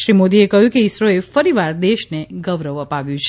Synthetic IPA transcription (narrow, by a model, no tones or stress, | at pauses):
ʃɾimod̪iekəɦjũkeiʃɾoefəɾiʋaɾd̪eʃneɡəʋɾəʋəpaʋjũt͡ʃʰ